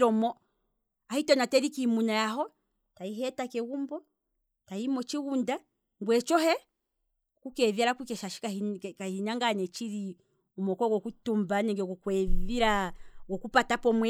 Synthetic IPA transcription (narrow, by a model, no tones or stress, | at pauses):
ɾɔmɔ | ahitɔnatɛɾikimunajaɦɔ | taiɦɛtakɛwumbɔ | taimɔt͡ʃiwunda | ŋɡwɛt͡ʃɔɦɛ | kukɛvjaɾakukɛʃaʃi̥kakahinaŋɡanɛt͡ʃiɾi | umɔkɔɡɔkutumbanɛŋɡɛɡɔkwɛviɾaɡɔkupatapɔmwɛ